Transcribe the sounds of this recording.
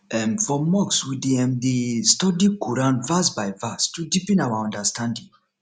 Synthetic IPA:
ɛmfɔmɔkswidiɛ̃mðistɔdikuɹãnvasbajvastudipɛ̃nawaɔ̃ndəstʰãndĩŋ

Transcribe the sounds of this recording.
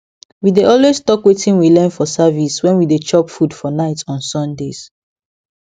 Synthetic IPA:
wideɔlwestɔkwetʰĩnwilɛ̃nfɔsaviswɛ̃nwidet͡ʃɔpfudfɔnaɪtɔ̃nsɔ̃ndes

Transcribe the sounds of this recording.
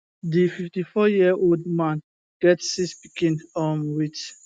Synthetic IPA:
dififtifɔjiʔoldmãn | ɡ̥ɛtsispikĩndɔmwit

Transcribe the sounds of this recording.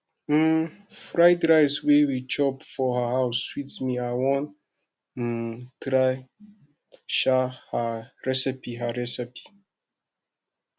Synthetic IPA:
m̩ | fɾaɪdɾajzwewit͡ʃɔpfɔhahaʊswitmiaɪwɔ̃n | n̩tɾaj | ʃahaɹɛsipiɦaɹɛsɛpi̥

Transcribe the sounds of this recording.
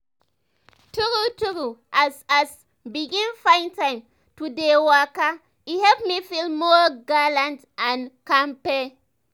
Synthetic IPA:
tuɾutuɾuʔasas | biɡĩnfãj̃ntãjm | tudewaka | ihɛpmifilmɔɡalãnt | ãnkãmpe

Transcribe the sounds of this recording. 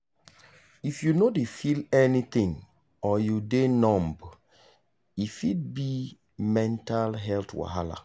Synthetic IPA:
ifjunodefilɛnit̪ĩŋ | ɔjudenɔ̃mb | ifid̚bi | mɛ̃ntalɦɛlt̪wa̰ɦala̰

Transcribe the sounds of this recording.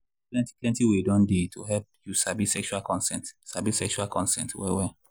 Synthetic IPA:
klɛ̃nti̥klɛ̃ntiwedɔ̃ndetʰuɦɛp̚jusabisɛkʃuakɔ̃nsɛ̰̃ntsabisɛkʃualkʰɔ̃nsɛ̰̃ntwɛ̰wɛ

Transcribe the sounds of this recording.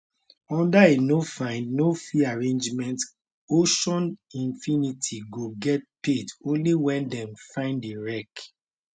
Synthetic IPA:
ɔ̃ndaenofãɪ̃ndnofiaɹẽnd͡ʒmɛ̃nt | oʃɔ̃nĩnfinitʰiɡoɡɛt̚petõnliwɛ̃ndɛ̃mfãɪ̃ndeɹɛk

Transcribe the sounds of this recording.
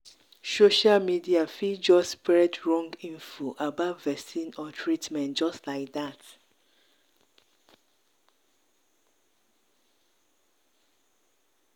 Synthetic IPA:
soʃalmidiafid͡ʒɔspɹɛdɹɔ̃ŋɡĩɱfoʔabavvɛsĩnɔtʰɹitmɛ̃nt̚d͡ʒɔstlaɪk̚dat

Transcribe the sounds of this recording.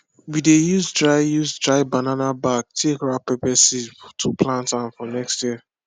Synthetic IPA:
widejuzdɹaɪjuzdɹaɪbananabak̚tʰekɹapɛpɛsitʰupʰlãntãnfɔnɛkstjiə

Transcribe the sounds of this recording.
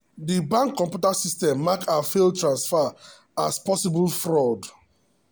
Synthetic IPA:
dibãŋkːɔ̃mpjutasistɛ̃mːakafeltɹãnsfa | aspɔsibulfɹɔd

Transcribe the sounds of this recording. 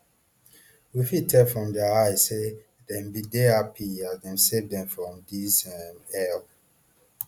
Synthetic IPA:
wifitʰːɛfɹɔ̃mdɛaaɪse | dɛ̃mbideapʰiadɛ̃nsevdɛ̃mfɹɔ̃mdisɛmɛl

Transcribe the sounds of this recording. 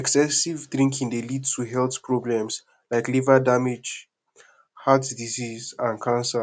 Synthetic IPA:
ɛksɛsivdɹĩŋkʰĩndelidtʰuɦɛltpɹɔblɛ̃ms | laɪklivadamed͡ʒ | hatdizizãnkʰãnsa

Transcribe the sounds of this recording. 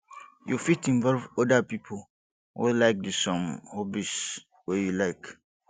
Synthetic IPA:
jufitʰĩnvɔlvɔdapipʰol | wḭlaɪk̚dɨsɔ̃mhɔbis | wɛjulaɪk

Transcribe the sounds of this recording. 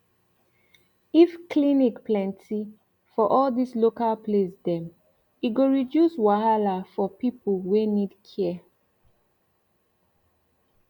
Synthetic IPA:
ifklinikplɛ̃ntʰi | fɔʔɔldislokalpʰlesdɛ̃m | iɡoɹidjuswahalafɔpipəlwenidkʰɛ

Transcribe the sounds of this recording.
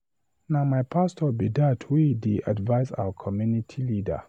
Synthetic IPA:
namajpʰastʰɔbidatʰwideʔa̰dvaɪza̰wəkʰɔmjunitʰilidə̰

